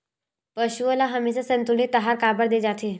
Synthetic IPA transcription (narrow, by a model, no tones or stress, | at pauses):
pəɕuəlaɦəmeɕasənt̪unit̪ːəɦaɾkabəɽd̪ed͡zat̪ʰe